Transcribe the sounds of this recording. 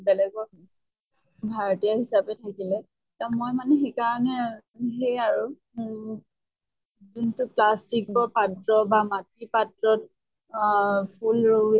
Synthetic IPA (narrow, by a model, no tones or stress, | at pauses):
bɛlɛɡɔɦ | bʱaɹɔtijaɦisapɛtʰakilɛ | tamojmanɛxekaɹɔnɛ | ɦejaɹu | zintʊplastik̚bɔpatɹɔbamatːipatɹɔt̚ | pʰulɹo